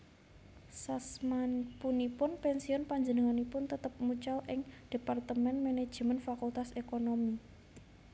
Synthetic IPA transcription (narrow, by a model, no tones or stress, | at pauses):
sasmanpunipʊnpɛnsiɔnpaɲd͡ʒənəŋanipʊnt̪ət̪əp̚mut͡ʃalʔɪŋd̥e̤part̪əmɛnmened̥ʒ̥əmənfakult̪asekonomi